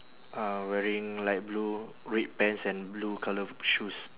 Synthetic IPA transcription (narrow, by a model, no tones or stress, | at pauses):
awɛɹĩŋlaɪt̚blu | ɹet̚pɛ̃nsɛ̃nblukʰaləʃus